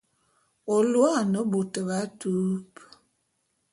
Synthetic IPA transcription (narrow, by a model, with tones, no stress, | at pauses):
o˨lwa˦˨nə˨˦bo˨tə˨ba˨˦tu˦p